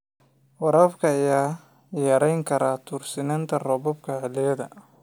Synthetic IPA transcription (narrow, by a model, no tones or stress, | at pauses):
wɐɾɐbkʰɐːjaː | jɐɾɛjŋkʰɐɾaːt̪ʰuːrsɪnɐnt̪ʰɐrɔβɔbkʰɐʕɪlɪjɐðɐ̰